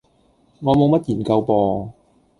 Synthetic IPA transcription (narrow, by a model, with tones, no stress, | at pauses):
ŋɔː˨˧mo˨˧wmɐ˥t̚jiː˨˩nkɐ˧wpɔː˧